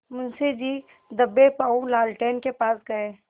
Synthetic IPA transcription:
mʊnsid͡ʒiː | d̪ɐbːepaːũlaːlʈeːnkepaːsɡɐẽː

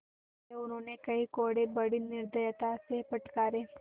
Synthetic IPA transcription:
eʊnɦõːnekɐikoːɽebɐɽinɪɾd̪əjət̪asepɐʈkaːɾeː

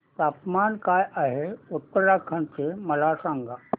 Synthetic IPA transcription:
t̪aːpmaːnkaːjʔaɦeʊt̪ːəɾakʰənt͡ʃemɐlaːsãŋɡa

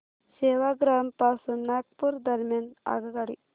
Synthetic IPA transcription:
seːʋaɡɾampaːsunnak̚puɾd̪ɐɾmjana̰ɡɐɡaɽḭ

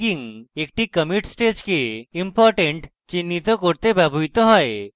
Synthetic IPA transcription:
iŋek̚ʈikəmiʈsʈed͡ʒkeimpɔɾʈẽɳʈ | t͡ʃinːit̪ɔkɔɾt̪epabʱujt̪ɔɦɔe

